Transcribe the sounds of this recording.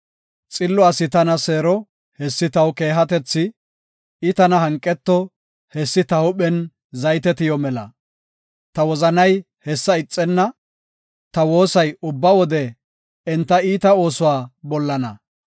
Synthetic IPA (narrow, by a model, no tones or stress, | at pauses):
t͡sʼɪlːɔɐsɪt̪ɐnɐseːɾɔ | hɛsːɪt̪ɐwke̞ːɦɐt̪ɛt͡sːɪ | ɪt̪ɐnɐɦɐŋkʼːɛt̪ːɔ | hɛsːɪt̪ɐhʊɓɛn | zɐjt̪ɛt̪ɪjɔmɛlɐ̰ | t̪ɐwɔzɐnɐj | hɛsːɐɪt͡sʼːɛnːɐ | t̪ɐwo̞ːsɐjʊbːɐwɔd̪ɛ | ɛnt̪ːɐiːt̪ɐo̞ːsʊwaːbɔlːɐnɐ̰